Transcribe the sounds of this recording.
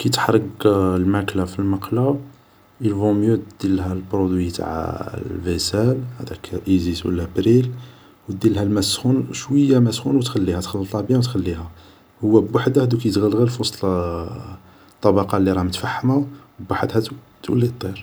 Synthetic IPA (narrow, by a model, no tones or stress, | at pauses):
kæjt̪ə̥ħɾˤəɡlmæklafilmɑqla | ilvɔ̃mjød̪̥ilhælpɾod̪wit̪a̰ʕ̰lvesælhæ̰d̪ækʰʔiziswə̰lːæbɾil | wd̪ːilhælmæsxunʃwəjːæmæsxunwət̪xælːihæt̪xəlːət̪ˤɑbjæ̃wt̪xælːihæ | hʊwːæbwaħd̪ahæd̪ukæjt̪ɣəlɣælfusˤ | t̪ˤːɑbɑqɑlːiɾˤɑmət̪faħːmawbwaħəd̪hæd̪u | t̪wə̰lːit̪ˤːiɾ